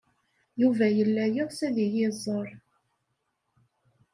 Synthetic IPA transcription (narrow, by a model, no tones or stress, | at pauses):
juvæjəlːæjəʁsæðijɪzˤːəɾˤ